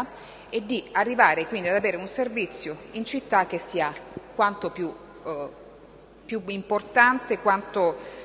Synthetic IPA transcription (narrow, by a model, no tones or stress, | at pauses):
ed̪ːiarːivaːɾekwind̪iad̪aveːɾeunservit̪sːjoint͡ʃit̪ːak̟ːesːiakwant̪opju | pjuimport̪ant̪ekwant̪o